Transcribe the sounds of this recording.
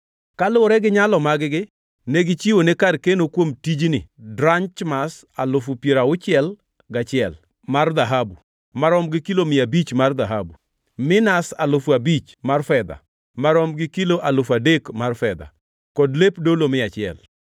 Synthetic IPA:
kalʊɾɛɡɪɲalɔmaɡɡɪ | neɡɪt͡ʃiwonekarkenokwomtid͡ʒnɪ̰dɾaɲt͡ʃmas | alʊfʊpjeɾaʊt͡ʃɪɛl | ɡat͡ʃɪɛl | mard̪aɦabu | maɾɔmɡɪkilomɪabit͡ʃmard̪aɦabu | mɪnasalʊfabit͡ʃ | marfɛd̪a̰ | maɾɔmɡɪkiloʔalʊfadekmarfɛd̪a̰ | kɔdlepdolomɪat͡ʃɪɛ̰l

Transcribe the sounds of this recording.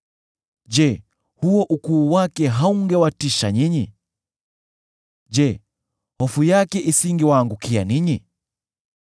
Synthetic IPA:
d͡ʒɛ | huɔʔukuːwakɛɦauŋɡɛwatiʃaɲiɲḭ | ʄɛ | hɔfujakɛʔisiŋɡiwaːŋɡukianiɲi

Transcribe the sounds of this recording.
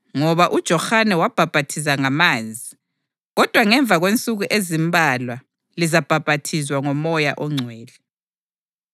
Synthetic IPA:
ŋɔβaʔud̥ʒ̥ʱɔxanɛwab̥ʱab̥ʱatʰis̬aŋamaːzʱi | ɣɔd̥ʱwaŋɛɱvʱaɣwent͡sʼuɣuʔezimbʱalwa | lizab̥ʱab̥ʱatʰizwaŋɔmɔja̰ʔɔŋ͡ǀʱwɛːlɛ

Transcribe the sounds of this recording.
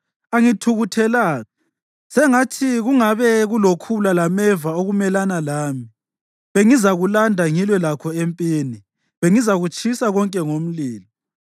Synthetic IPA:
aŋitʰuɣutʰɛlaːɣa | sɛŋatʰiɣuŋaβɛɣulokʰulalamɛvaoɣumɛlanalaːmi | βeŋizaɣulandʱaŋilwɛlakʰɔempʼiːni | βeŋizaɣut͡ʃʰʼisaɣɔŋkʼɛŋom̩liːlɔ

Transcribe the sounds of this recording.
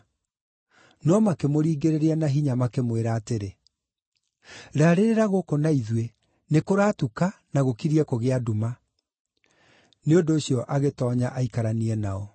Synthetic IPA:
nɔmakemoɾiːɡeɾeɾeanaɦiɲamakemweɾaːteɾe | ɾaːɾeɾeɾaɣokonaiðwe | nekoɾaːtukanaɣokiɾiɛkoɣeaduma | neondoːɕijɔʔaɣetɔːɲaʔaikaɾaniɛnaɔ

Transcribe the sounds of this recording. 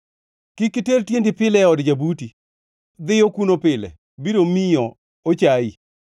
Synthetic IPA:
kɪkɪteltjendɪpɪlɛɔdd͡ʒabuti | d̪ɪjokunopɪlɛ̰ | bidomɪjɔ | ot͡ʃai

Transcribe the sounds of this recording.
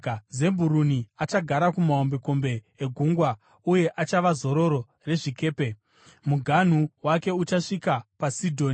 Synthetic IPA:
ze̞mbuɾuniat͡ʃaɡʱaɾakumaombe̞ko̞mbe̞ːɡʱuŋɡwa | uje̞ʔat͡ʃaʋazo̞ɾo̞ɾo̞ | re̞ʐike̞ːpe̞ | muɡʱan̤uwake̞ut͡ʃaʂikapasidʱo̞ːni

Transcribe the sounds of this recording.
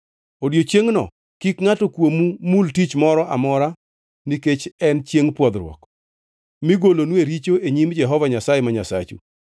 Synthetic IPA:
odjot͡ʃjeŋnɔ̰ | kikŋatɔkwomumultit͡ʃmɔɾɔʔa̰mɔɾa | niket͡ʃɛnt͡ʃjeŋpwɔd̪ɾwɔ̰k | miɡolonweɾit͡ʃoeɲimd͡ʒɛɦɔvaɲasajemaɲasa̰t͡ʃṵ

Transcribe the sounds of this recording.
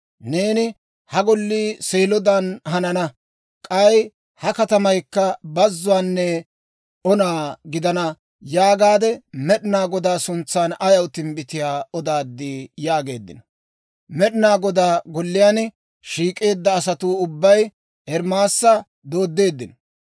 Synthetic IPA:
ne̞ːnɪ | hɐɡɔlːiːseːlɔd̪anɦɐnɐnɐ | kʼɐj | hɐkɐt̪ɐmɐjkːɐbɐzːʊwaːnːɛ | ɔnaːɡɪd̪ɐnɐ | jaːɡaːd̪ɛmɛɗɪnaːɡɔd̪aːsʊnt͡sːaːnɐjɐwt̪ɪmbɪt̪ɪjaːɔd̪aːd̪ːiːjaːɡe̞̰ːd̪ːɪ̰nɔ̥ | mɛɗɪnaːɡɔd̪aːɡɔlːɪjaːn | ʃiːkʼe̞ːd̪ːɐːsɐt̪uːʊbːɐj | hɛɾmaːsːɐ | d̪o̞ːd̪ːe̞ːd̪ːɪnɔ̥

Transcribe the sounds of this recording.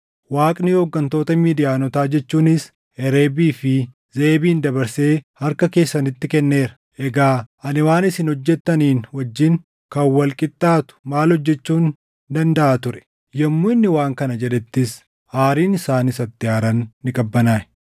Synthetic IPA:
waːkʼnɪhɔɡːɐnt̪o̞ːt̪ɐmiːd̪ɪjaːnɔt̪aːd͡ʒɛt͡ʃːuːnɪs | ɛɾeːbiːfɪ | ze̞ːbiːnd̪ɐbɐɾse̞ːhɐɾkɐke̞ːsːɐnɪt̪ːɪkɛnːe̞ːɾɐ̥ | ʔɛɡaːʔɐnɪwaːnɪsɪnɔd͡ʒːɛt̪ːɐniːnwɐd͡ʒːɪn | kɐwwːɐlkʼɪt̪ʼːaːt̪ʊ̥maːlɔd͡ʒːɛt͡ʃːuːn | d̪ɐnd̪ɐʔaːt̪ʊɾɛ̥ | jɛmːuːɪnːɪwaːŋkɐnɐd͡ʒɛᶑ̪ɛt̪ːɪs | aːɾiːnɪsaːnɪsɐt̪ːɪaːɾɐnːɪkʼɐbːɐnaː

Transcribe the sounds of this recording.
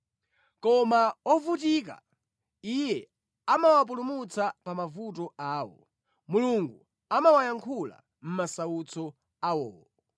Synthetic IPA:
kɔmaɔvut̬ik̬a̰ | ijɛ | amawap̬ulumut͡sʰapamavutɔaːwɔ̰ | muluŋɡu | amawajaŋkʰula̰ | m̩masawut͡sʰɔ | awɔːwɔ

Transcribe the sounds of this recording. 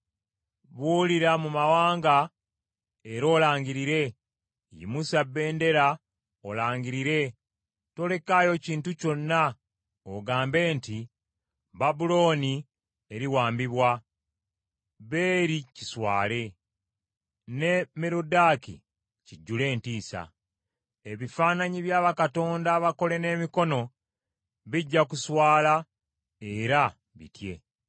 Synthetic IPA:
βuliɾamumawaːŋɡa | eɾo̞ːlaːɲɟiɾiɾe̞ | jḭmusabːe̞ːnde̞ɾa | olaːɲɟiɾiɾe̞ | to̞le̞kaːjo̞ciːntuco̞nːa | oɡaːmbe̞ːnti | babulo̞ːni | eɾiwaːmbiβwa | βe̞ːɾiciswa̰ːle̞ | ne̞meɾudaːkḭ | ciɟːule̞ːntiːsa̰ | eβifaːnaɲiβjaːβakato̞ːndaβako̞le̞ne̞ːmiko̞no̞ | βiɟːakuswaːla | e̞ɾa | βḭtje̞

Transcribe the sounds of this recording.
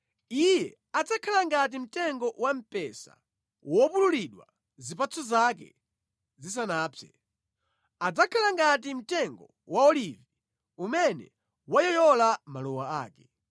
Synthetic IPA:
ijɛ | ad͡zakʰalaŋɡat̬im̩tɛŋɡɔwam̩pɛsa̰ | wɔpululiɗwa̰ | zipat͡sʰɔzakɛ̰ | zis̬anaːpʰɛ̰ | ad͡zakʰalaŋɡat̬im̩tɛŋɡɔ | waɔlivi | umɛnɛ̰ | wajɔjɔlamalɔwaaːkɛ̥

